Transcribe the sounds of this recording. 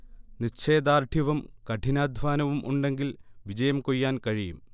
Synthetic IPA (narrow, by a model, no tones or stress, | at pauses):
nit͡ɕʰe̞ːd̪aːrʈʰiʋɐmkɐʈʰinaːd̪ʱʋaːnɐʋumʔṵɳɖe̞ŋɡilʋid͡ʑɐjɐmkojːaːnkɐɻijum